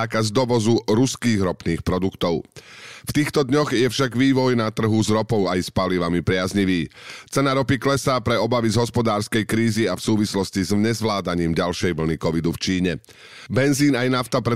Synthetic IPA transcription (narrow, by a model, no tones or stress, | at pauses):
aːkazd̪ɔʋɔzuɾuskiːɣɾɔpniːxpɾɔd̪ukt̪ɔʊft̪iːxt̪ɔd̪ɲɔɣjɛfʃaɡʋiːʋɔjnat̪r̩ɦuzɾɔpɔʊajspaliʋamipɾɪazɲiʋiːt͡sɛnaɾɔpiklɛsaːpɾɛɔbaʋizɦɔspɔd̪aːɾskɛjkɾiːziafsuːʋislɔscizmɲɛzʋlaːd̪aɲiːmɟalʃɛjʋl̩nikɔʋid̪uft͡ʃiːɲɛ | bɛnziːnajnaʊt̪apɾɛ